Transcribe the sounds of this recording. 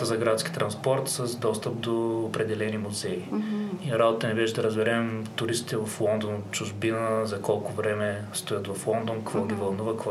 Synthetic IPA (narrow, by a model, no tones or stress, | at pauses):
t̪əzɐɡɾat̪skʲi̥t̪ɾɐnspɔɾt̪səzd̪ɔst̪əp̚d̪oːpɾɛd̪ɛlɛnimʊzɛiiɾabot̪t̪ənɛbɛʒd̪ɐɾəzbɛɾɛmt̪ʊɾist̪it̪ɛvɐflˠɔnd̪onʊt̪t͡ʃʊʒbinəzɐkɔlˠkʊvɾɛmɛst̪ʊjət̪vɐflˠɔnd̪onkvɔlɡʲivɐlˠnuvəkvɔ